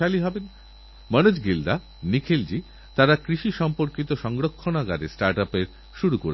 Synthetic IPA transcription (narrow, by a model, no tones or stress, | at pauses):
aliɦɔben | mʌnud͡ʑɡild̪a | nikʰild͡ʑi | t̪aɾakɾiʃiʃɔmpoɾkit̪oʃɔŋɡɾokʰːonaɡaɾesʈaɾʈapeɾ | ʃuɾukoɾe